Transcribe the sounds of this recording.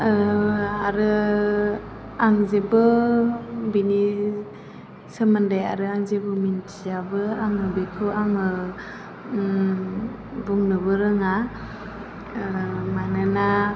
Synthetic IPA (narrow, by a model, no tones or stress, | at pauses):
aɾɯ | aŋzebɯ | bini | səmandaja̰ɾɯaŋzebɯmintʰijabɯamɯbekʰɯaŋɯ | buŋnɯbɯɾɯŋa | manɯna